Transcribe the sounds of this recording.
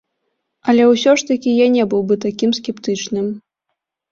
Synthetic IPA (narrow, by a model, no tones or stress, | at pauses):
ɐlʲɛwsʲɔʂt̪ɐkʲijanʲɛbɨwbɨt̪akʲimskʲɛpt̪ɨt͡ʂnɨm